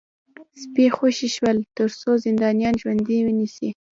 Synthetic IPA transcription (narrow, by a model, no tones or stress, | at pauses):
spexoʃiʃwəlt̪əɾsozɪnd̪ɑnijɑnʒwand̪iwənisi